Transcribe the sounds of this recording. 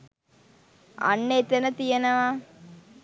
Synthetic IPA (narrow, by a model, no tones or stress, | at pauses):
a̰nːeːt̪enət̪ijenəʋaː